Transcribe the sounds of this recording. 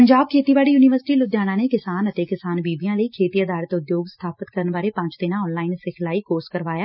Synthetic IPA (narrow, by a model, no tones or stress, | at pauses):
əɲd͡ʒaːb̚kʰeːt̪iːbaːɽiːjuːnɪʋəɾsɪ̥ʈiːlʊd̪jaːnãːneːkɪsaːnət̪eːkɪsaːnbiːbijãːləiːkʰeːt̪iːəd̪aːɾət̪ʊd̪joːɡsə̥t̪ʰaːpət̪kəɾənbaːɾeːpə̃ɲt͡ʃt̪ɪnãːɔːnlaːɪnsɪkʰlaːiːkoːskəɾʋaːjaː